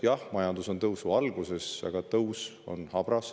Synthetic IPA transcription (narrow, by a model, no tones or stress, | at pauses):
jɑhmɑjɑnd̪̥uso̞nt̪ɤwsuɑlɡ̥use̞sɑ̰ɡ̥ɑt̪ɤwso̞̰nhɑb̥ɾɑs